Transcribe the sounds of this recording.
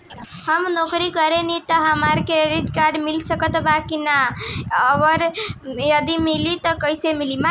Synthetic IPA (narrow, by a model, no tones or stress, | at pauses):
həmnokɾikəɾenit̪əɦəməɾkeɾeɾiʈkaɾɖmilsəkət̪bakinaəʋəɾjəd̪imilit̪əkəjsemilima